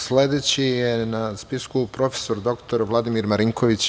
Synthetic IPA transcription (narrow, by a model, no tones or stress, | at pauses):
sle̞d̪et͡ɕijenaspiskupɾo̞fe̥so̞ɾd̪o̞kt̪o̞ɾʋlˠad̪imiɾmaɾiŋko̞ʋit͡ɕ